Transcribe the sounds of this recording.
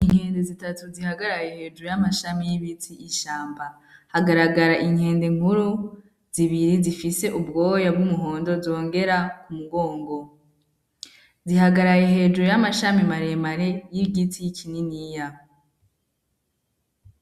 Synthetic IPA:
iŋ̥he̞ːndezitatuzihaɡaɾajehe̞ːd͡ʒuɾujamaʃamijiβitʰiʔːʃaːmba | haɡaɾaɡaɾaʔiŋhe̞ːndeŋ̥uɾu | z̥iβiɾizifise̞ʔubɡo̞ːjab̚ɡumuɦo̞ːndo̞zo̞ːŋɡe̞ɾakumuɡo̞ːŋɡo̞ | ziɦaɡaɾajeɦe̞ːd͡ʒuɾujamaʃamimaɾe̞maɾejiɡitʰijikʰininija

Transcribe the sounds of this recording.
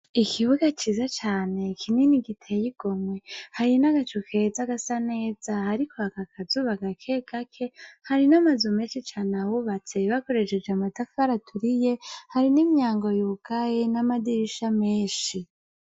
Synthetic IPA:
ikʰiβuɡat͡ʃiːzat͡ʃaːne̞kʰininiɡitʰejiɡ̥o̞mwehaɾinaɡat͡ʃukʰe̞zaɡasane̞ːz̥ahaɾikʰoakakʰazuβaɡakʰe̞ɡ̥akʰe̞haɾinamazume̞ːnʃit͡ʃaːnawuβat͡se̞βako̞ɾe̞ʃed͡ʒamatafaɾatʰuɾije̞haɾinimɲaːŋɡo̞juːɡ̥ajenamadiɾiʃameːʃi

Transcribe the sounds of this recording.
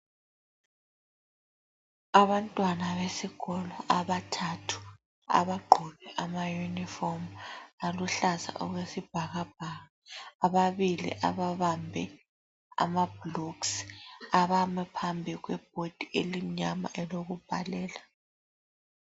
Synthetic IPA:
aβantʼwanaβesiɣɔlɔʔaβatʰatʰu̥ | a̰βaɡ͡ǃʱuβɛʔamajunifɔmaluɬaza̰ʔɔɣwesib̥ʱaɣab̥̚ʱaːɣaːβaβilḭʔa̰βaβambʱɛ | a̰mab̥loksaβamɛpʰambʱiɣwɛb̥̚ʱod̥ʱielim̩ɲama̰ʔɛloɣub̥ʱa̰lɛːla

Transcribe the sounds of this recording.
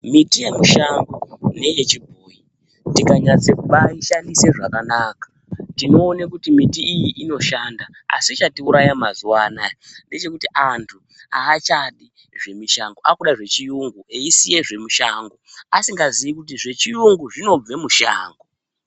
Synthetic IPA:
mitije̞muʃaŋɡone̞jet͡ʃibʱuːji | ntikaɲat͡sekuɓaiʃandise̞ʐakanaːkḁ | tino̞ːnekutimitiijiʔino̞ʃanda | a̰sit͡ʃatiuɾajamazuwanande̞t͡ʃe̞kutiʔantʰu | aːt͡ʃaɗi | ʐe̞miʃaŋɡoʔakuɗaʐe̞t͡ʃijuŋɡueisije̞ʐe̞muʃaːŋɡoasiŋɡazijikut̬iʐe̞t͡ʃijuŋɡuʐino̞b͡ve̞muʃa̰ːŋɡo

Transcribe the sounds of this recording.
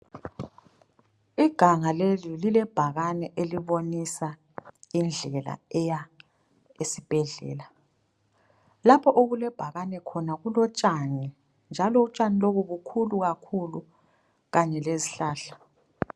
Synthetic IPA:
iɡ̥ʱaŋalelililɛb̥ʱaɣanɛʔeliβonisa | ind͡ɮʱɛla̰ɛja | esib̥ʱɛɮɛ̰ːla | lapʰɔʔoɣulɛb̥ʱaɣanɛkʰɔnaɣulɔt͡ʃʼani | nd͡ʒʱalɔut͡ʃʼaniloβuβukʰuluɣakʰulu | ɣaɲɛleziɬaːɬḁ

